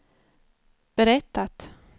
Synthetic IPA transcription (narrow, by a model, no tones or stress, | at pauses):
b̥ɛɾɛt̪ːat̪